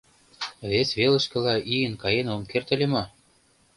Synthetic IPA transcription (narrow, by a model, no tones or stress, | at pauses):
βesʲβelə̆ʃkɤ̆lɑʔijənkɑjenomkert̪ə̆lʲemɑ